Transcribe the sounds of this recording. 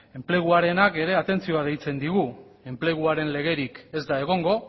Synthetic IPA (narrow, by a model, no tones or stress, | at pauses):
e̞mple̞ɣ̞uaɾe̞nake̞ɾe̞at̪e̞nt͡sio̞aðe̞jt͡se̞nd̪iɣ̞u | e̞mple̞ɣuaɾe̞nle̞ɣ̞e̞ɾike̞zd̪ae̞ɣ̞o̞ŋɡo̞